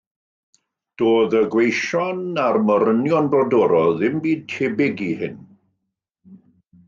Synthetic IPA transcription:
d̥oːðəɡwejʃɔnarməɾənjɔnbrɔdɔɾɔðɪmbiːd̚tʰeːbɪɡihɪn

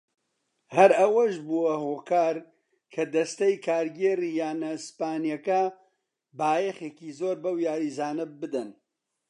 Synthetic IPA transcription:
hɐɾɐwɐʃbuɐhokaːɾ | kʰɐd̪ɐst̪ɐjkʰaːɾɡeːrijaːnɐspaːnijɐkɐ | baːjexeːkizoːɾbɐwjaːɾizaːnɨb̚bɨd̪ɐn

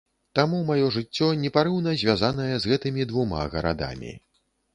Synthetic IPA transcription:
t̪amumajɔʐɨt͡sʲːɔnʲɛpaɾɨwnɐzʲvʲazanɐjɛzɣɛt̪ɨmʲid̪vuma̰ɣɐ̰ɾa̰d̪a̰mʲḭ

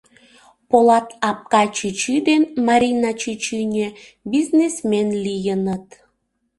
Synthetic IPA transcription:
polɑt̪ɑp̚kɑt͡ɕɨt͡ɕid̪enmɑɾʲinɑt͡ɕɨt͡ɕinʲe | biznesmenlijənət̪

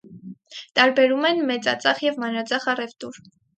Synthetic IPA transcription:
t̪ɑɾbɛɾumɛnmɛt͡sɑ̰t͡sɑχjɛvmɑnɾɑt͡sɑχɑrɛvt̪uɾ

